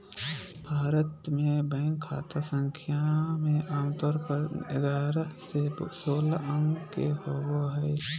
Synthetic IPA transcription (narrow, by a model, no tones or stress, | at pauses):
bʱaːɾət̪mẽbə̃ːŋɡkʰːa̰ːt̪asə̃ŋkʰjamẽʔaːmt̪ɔːɾpəɾɪɡaːɾasesoːlaə̃ŋɡkehoːɡoɦɛj